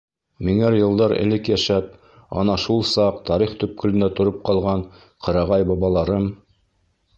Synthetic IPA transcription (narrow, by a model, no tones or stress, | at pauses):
miŋæɾjɤ̆lˠd̪ɑɾɘ̰̆lɘkjæʃæp̚ | ɑ̰nɑʃulˠsɑqt̪ɑɾiχt̪ɵ̆p̚kɵ̆lɘ̆næt̪ŏɾop̚qɑlˠʁɑɴ | qʰɤ̆ɾɑʁɑjbɑβɑlˠɑɾɤm